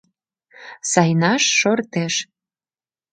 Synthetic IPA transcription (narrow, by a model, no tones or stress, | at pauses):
sɑjnɑʃːort̪eʃ